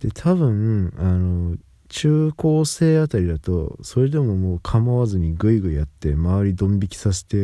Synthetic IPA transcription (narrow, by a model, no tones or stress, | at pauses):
d̪̥e̞t̪ʰaβɯ̟̃ano̞ | t͡ɕɨːko̞ːse̞ːat̪aɾʲid̪at̪o̞̰so̞ɾe̞d̪e̞mo̞moːkʰamaβazɨɲ̟iɡɯ̟iɡɯ̟iat̪ːe̞maβaɾʲid̪õ̞mbʲikʲi̥sas̬e̥t̪e̞